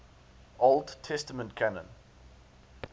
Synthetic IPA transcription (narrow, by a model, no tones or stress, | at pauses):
olˠdtʰɛstəmə̃ntkʰanə̰̃n